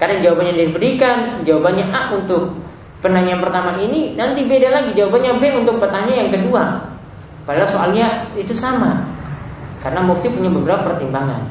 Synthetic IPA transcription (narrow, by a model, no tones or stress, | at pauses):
kadaŋd͡ʒawabanɲadidibəɾikand͡ʒawabanɲaʔaʔunt̪ʊk̚ | pənaɲianpərt̪amaʔininant̪ibedalaɡid͡ʒawabanɲabeunt̪ʊk̚pərt̪aɲajaŋkədua | padalasoalɲait̪usama | kaɾənamuft̪ipuɲabəbəɾapapərt̪imbaŋa̰n